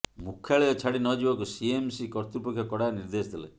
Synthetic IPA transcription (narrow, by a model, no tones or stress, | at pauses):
mukʰːjaɭejɔt͡ʃʰaɽinɔd͡ʒibɔkusiemsikɔɾt̪upɔkʰːjɔkɔɽaniɾd̪esd̪elḛ